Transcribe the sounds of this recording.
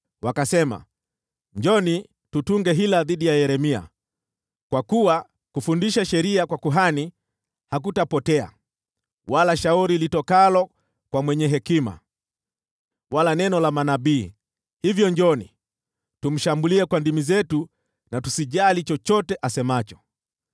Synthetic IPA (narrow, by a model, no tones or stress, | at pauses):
wakasɛma̰ | ɲd͡ʒɔni | tutuŋɡɛɦilaðiɗijajɛɾɛmia̰ | kwakuwa | kufundiʃaʃɛɾiakwakuɦani | hak̬utapɔtɛa̰ | walaʃauɾilitɔkalɔ | kwamwɛɲɛɦɛkima̰ | walanɛnɔlamanaɓiː | hivjɔɲd͡ʒɔnḭ | tum̩ʃambuliɛkwandimizɛtu | natusiʄalit͡ʃɔt͡ʃɔtɛʔasɛmat͡ʃɔ̥